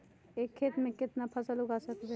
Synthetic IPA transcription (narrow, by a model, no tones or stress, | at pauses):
eːkʰːeːt̪mẽkɪt̪napʰəsəlɦʊɡasəkd̪e